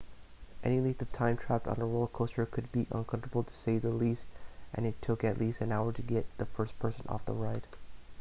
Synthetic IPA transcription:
ʔɛniliθʌv̥tʰãɪ̃mtʰɹ̥æp̚tn̩əɹoʊlˠkʰoʊstə˞kʰɨd̚biʔʌ̰̃nkʰʌ̃ɱtə˞bl̩ˠtʰə̥seɪðəlistʔɨ̰̃nɨtʰʊkɨtˡlistɨ̃naʊə˞ɾɨɡɛt̪̚ðəfɜ˞spʰɜ˞sɨ̃nʔɔ̰fðə̰ɹaɪt̚

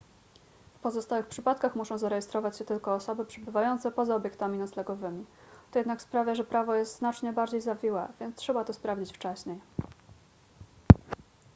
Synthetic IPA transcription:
fpɔzɔst̪awɘxpʂɘpat̪̚kaxmuʂɔ̃w̃zaɾɛjɛst̪ɾɔvat͡ɕɕɛt̪ɘlkɔːsɔbɘpʂɛbɘvajɔnt̪sɛpɔzaɔbʲjɛkt̪amʲinat̪slɛɡɔvɘmʲi | t̪ɔjɛd̪nakspɾavʲjaʐɛpɾavɔjɛst̪znat͡ʂɲɛbaɾd͡ʑejzavʲiwɛvʲjɛnstʂɛbat̪ɔspɾavd͡ʑit͡ɕft͡ʂɛɕɲej

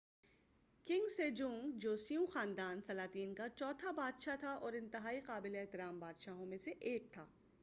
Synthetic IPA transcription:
kɪ̃ŋɡsed͡ʒũːŋɡd͡ʒoːsijũxaːnd̪aːnsɐlaːt̪iːnkat͡ʃɔːt̪ʰabaːd̪ʃat̪ʰaʔɔːɾɪ̃nt̪ɪɦaːiqaːbɪleeːɦt̪ɪɾaːmbaːd̪ʃaɦõmẽseʔeːk̚t̪ʰaː

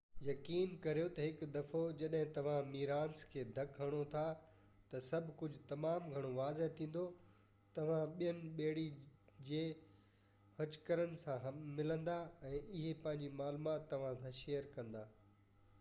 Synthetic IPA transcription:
jɐkiːnkɐɾijot̪ɐɦɪkd̪ɐfod͡ʑɐɗɦɪ̃t̪ɐʋ̤ãmiːɾaːnskʰeːd̪ʱɐkɦɐɽ̃ot̪ʰa | t̪ɐsɐbʱkʊd͡ʑʱʊt̪ɐmaːmɡʱɐɽ̃oʋaːzet̪ʰĩːn̆d̪o | t̪ɐʋ̤ãɓijənɪ̆ɓeːɽid͡ʑeː | hɐt͡ɕkəɾənɪ̆sãɦmɪlə̃nd̪aɛ̃ːʔɪɦepɐ̃ɦɪ̃ɲd͡ʑimaːlmat̪ːɐʋ̤ãsãʃeːjəɾkɐ̃nd̪aː

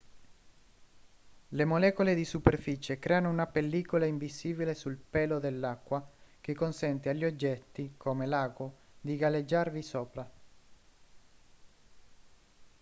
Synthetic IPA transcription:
lemolɛːkoled̪isuperfiːt͡ʃekɾɛːanounapelːiːkolaiɱbisiːbilesulpɛːlod̪elːakːwak̟ekːonsɛnt̪eaʎːiod͡ʒːɛt̪ːikʰomelaːɡo | d̪iɡaled͡ʒːarvisoːpɾa

